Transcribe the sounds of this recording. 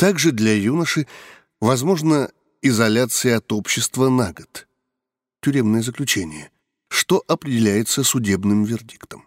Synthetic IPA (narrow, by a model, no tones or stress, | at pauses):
t̪aɡʐɨd̪lʲɐjunəʂɨ | vɐzmo̞ʐnə | ɪzɐlʲat̪sɨjɪɐt̪o̞pɕːɪst̪vənaɡət̪ | tʲʊɾʲe̞mnɨjəzəklʲʉt͡ɕenʲɪjə | ʂt̪o̞ʔɐpɾʲɪdʲɪlʲæjɪt̪səsʊdʲe̞bnɨmvʲɪrdʲikt̪əm